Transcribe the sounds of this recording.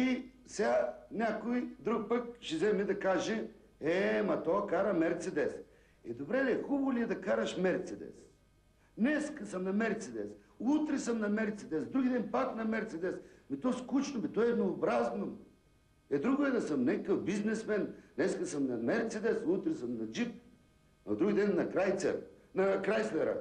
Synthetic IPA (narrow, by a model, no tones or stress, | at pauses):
isɛɡanʲakojd̪ɾuk̚pək̚ʃɛzɛmɛd̪ɐkaʒɛ | ɛmɐt̪ɔkaɾəmɛɾt̪sɛd̪ɛs | ɛ̰d̪obɾɛd̪ɐɛxuboliɛd̪ɐkaɾəʃmɛɾt̪sɛd̪ɛ̰s | nɛskəsəmnɐmɛɾt̪sɛd̪ɛ̰s | ut̪ɾɛsəmnɐmɛɾt̪sɛd̪ɛsd̪ɾuɡʲid̪ɛnpaknɐmɛɾt̪sɛd̪ɛsmit̪ɔskut͡ʃnomit̪ɔɛd̪noːbɾaznom | ɛd̪ɾuɡod̪ɛd̪əsəmnɛkəkəfbiznɛsmɛnnɛskəsəmnɐmɛɾt̪sɛd̪ɛsut̪ɾɛsəmnɐd͡ʒip̚ | ɐ̰d̪ɾuɡid̪ɛnːɐkɾajt̪sɛ̰ɾ | nɐkɾajsvɛɾa̰